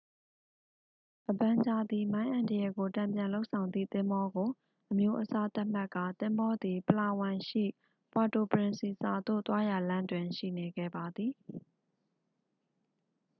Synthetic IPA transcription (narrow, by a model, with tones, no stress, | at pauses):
ʔəbã˨ɲd͡ʑa˨d̪i˨mã˦ɪ̃ʔã˨ndə˨jɛ˨ɡo˨tã˨mpjã˨nlo˦ʊʔsʰã˨ʊ̃nd̪ðḭ˦˨t̪ɪ̃˦mbɔ˦ɡo˨ | ʔəmjo˦ʔəsa˦t̪a˦ʔm̥a˦ʔkːa̰˦˨t̪ɪ̃˦mbɔ˦d̪i˨pəla˨wã˨ʃḭ˦˨ | pa˨to˨pəɹɪ̃˨nsi˨sa˨d̪o̰˦˨t̪wa˦ja˨lã˦ndwɪ̃˨ʃḭ˦˨ne˨ɡɛ̰˦˨ba˨d̪ði˨